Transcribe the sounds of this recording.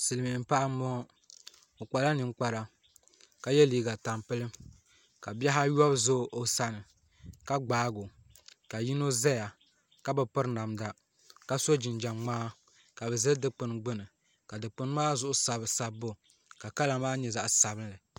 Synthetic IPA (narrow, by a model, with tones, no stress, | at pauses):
sɨ˨lmɨ˨m̩˦pa˦ʔa˦mɔ˦ | o˨k͡pa˨la˦nɨ˨ŋ˦k͡pa˨ɾa˨ | ka˨jɛ˦liː˨ɡa˨ta˨mpɨ˦lɨ˦m | ka˨bɛ˦ɦa˦jɔ˦bzo˦ʔo˨sa˦nɨ˨ | ka˦ɡ͡baː˨˦ɡo˨ | ka˨ji˦no˦zɛ˦ja˨ | ka˦bɨ˨pɨ˦ɾna˨mda˦ | ka˦so˦d͡ʒɪ˨nd͡ʒa˨mŋ͡maː˦ | ka˨bɛ˨zɨ˦ldɨ˦k͡pɨ˨nɡ͡bɨ˦nɨ˨ | ka˨dɨ˨k͡pɨ˦n˦maː˦zʊ˦ʔʊ˦sa˨bsa˨bo˨ | ka˨ka˦la˨maː˦ɲɛ˨za˨ʔsa˨bɨ˦n˦lɨ˨